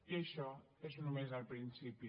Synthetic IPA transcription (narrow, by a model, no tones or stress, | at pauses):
iəʃɔ | ezunumezalpɾinsipi